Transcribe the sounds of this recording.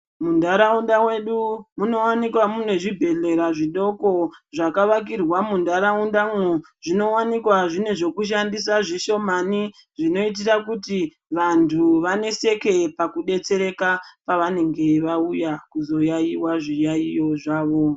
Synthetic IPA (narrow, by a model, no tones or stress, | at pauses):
mundaɾaundamwe̞ɗumuno̞wanikwamune̞ʐibʱe̞ɮe̞ɾaʐiɗo̞ko̞ʐakaʋak̬irwamundaɾaundamwo | ʐ̥ino̞wanikwaʐine̞ʐe̞kuʃandis̬aʐiʃo̞mani | ʐino̞it̬irakuti | ʋantʰuʋane̞se̞ke̞pakuɗe̞t͡se̞ɾe̞kapaʋane̞ŋɡe̞ʋaujakuzo̞jajiwaʐijaijoʐaːʋo̞